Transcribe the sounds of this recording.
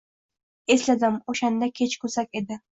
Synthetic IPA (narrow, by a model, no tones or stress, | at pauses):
e̞slad̪ɪmoʃand̪akʲʰe̞t͡ʃkʰɵsakʲe̞d̪ɪ